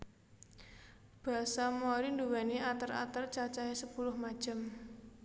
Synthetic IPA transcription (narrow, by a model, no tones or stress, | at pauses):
b̥a̤samaɾinduwɛniat̪əra̰t̪ərt͡ʃat͡ʃaesəpulʊhmḁd͡ʒ̥ə̤m